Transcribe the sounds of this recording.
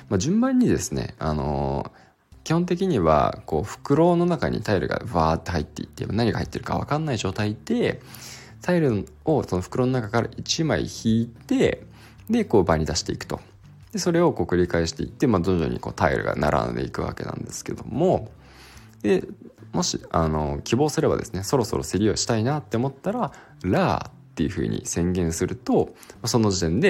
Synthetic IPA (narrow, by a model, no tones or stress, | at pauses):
mad͡ʑɨ̃mbãɲ̟ːid̪e̞sɨne̞̰a̰no̞̰ | kʲihont̪̬e̞k̬ʲiɲ̟iβa̰ko̞ːɸɯ̟̥kɯ̟ɾo̞ːno̞nakaɲ̟ḭt̪aiɾɯ̟ɡa̰ɯβaːt̪ːe̞ɦait̪ːe̞it̪ːe̞manaɲ̟iɡahai̥t̪ːe̞ɾɯ̟ka̰βa̰kãnːaiʑo̞ːt̪aid̪̥e̞ | t̪aiɾɯ̟ | o̞so̞no̞ɸɯ̟̥kɯ̟ɾo̞ːnoakakaɾa̰ʔit͡ɕimaḭçiːt̪e̞ | d̪e̞ko̞ːbaɲ̟ːid̪aɕi̥t̪e̞ikɯ̟̥t̪o̞̰ | d̪̥e̞so̞ɾe̞o̞ko̞ːkɯ̟ɾʲikaeɕi̥t̪e̞ḭt̪ːe̞mad̪ond͡ʑo̰ːɲ̟iko̞ːt̪aḭɾɯ̟ɡa̰na̰ɾʔã̰nd̪e̞̰ikɯ̟βa̰ke̞nã̰nd̪e̞̥sɨ̥ke̞d̪o̞mo̞ | d̪̥e̞mo̞ɕḭano̞kʲibo̞ːsɨɾe̞ba̰d̪e̞sɨne̞so̞ɾo̞so̞ɾo̞seɾʲio̞ɕi̥t̪ainat̪ːe̞omo̞t̪ːaɾa | ɾaːtt̪ːe̞jɯ̟ɸɯ̟̰ːɲ̟ḭsẽ̞ŋɡẽ̞ɰ̃sɨɾɯ̟t̪o̞maso̞no̞ʑit̪ẽ̞nd̪e̞